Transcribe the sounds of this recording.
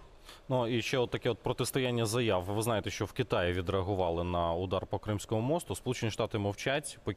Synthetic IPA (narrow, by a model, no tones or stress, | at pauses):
nuiʃt͡ʃɛɔdt̪ːɐkɛɔt̪̚pɾɔt̪ɪst̪ɐjanʲːɐzɐjɑwʋɪznɑjet̪ɛʃt͡ʃɔwkɪt̪ɑjɪʋʲid̪ɾeɐɦʊʋɑlˠɪnɐʊd̪ɑrpɔkɾɪmsʲkɔmʊmɔst̪ʊspɔlˠut͡ʃenʲiʃt̪ɑt̪ɪmɐwt͡ʃatʲpɔ